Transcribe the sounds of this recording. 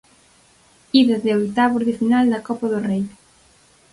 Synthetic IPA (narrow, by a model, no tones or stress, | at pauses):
iðezðeojt̪aβuɾðɪfinald̪ɐkɔpɐðʊrej